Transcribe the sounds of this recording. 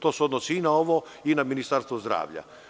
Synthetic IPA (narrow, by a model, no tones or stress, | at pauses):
t̪oːsuod̪nosiinaoʋo | inaminist̪aɾst̪ʋozd̪ɾa̰ːʋʎa̰